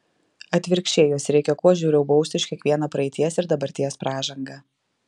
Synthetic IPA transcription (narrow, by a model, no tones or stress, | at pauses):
ɐt̪ʲʋʲɪɾʲkʃʲt͡ʃʲeːjoːsɾʲɛɪkʲɛkuɔʒʲuːɾʲɛʊbɒʊst̪ʲɪʃkʲiɛkʋʲiɛnɐpɾɐɛɪt̪ʲiɛsɪɾd̪ɐbɐɾʲt̪ʲiɛspɾɑːʒɐŋɡɐː